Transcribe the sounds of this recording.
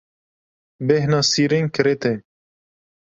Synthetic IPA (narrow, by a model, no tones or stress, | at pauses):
behnɑːsiːɾeŋkʰɨɾet̪e